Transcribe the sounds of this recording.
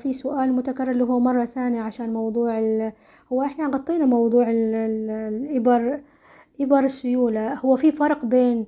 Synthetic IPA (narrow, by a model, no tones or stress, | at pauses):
fisʊʔaːlmʊt̪akarːɪɾliːɦuːmɑrˤːɑθaːnjaʕaʃaːnmɑwðˤuːʕɪl | hʊwːaʔɪħnaɣɑt̪ˤːiːnamɑwd̪ˤuːʕɪl | ʔɪbɑɾˤ | ʔɪbɑɾˤɪsːʊjuːlahʊwːafifɑɾˤqbeːn